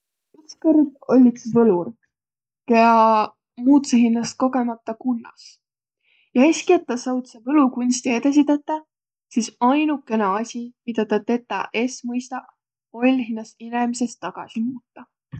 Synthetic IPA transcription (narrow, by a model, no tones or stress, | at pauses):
ykskerd̪o̞lʲːik̪sisvɤlur | keɑ | muːt̪seɦinːɑst̪̚ko̞ɡ̥e̞mɑt̪ːˑɑkunːɑ̰s | jɑeskiet̪ːˑɑsɑwt̪sevɤlukunʲsʲt̪iet̪es̬ʲit̪et̪ːˑɑ | sisɑjnukːe̞nɑɑsʲimid̪ɑt̪ɑt̪e̞t̪ːˑɑ̰ʔe̞smɤjst̪ɑʔ | o̞lʲːɦinːɑsinemise̞st̪ːɑɡ̥ɑ̰simuːt̪ːɑ